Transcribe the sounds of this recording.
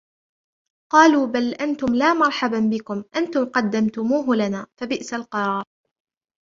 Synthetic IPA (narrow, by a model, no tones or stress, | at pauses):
qɑːluːbalʔant̪ʊmlaːmɑɾˤħababɪkʊmʔant̪ʊmqɑd̪ːamt̪ʊmuːɦʊlanaːfabɪʔsalqɑɾˤɑːɾˤ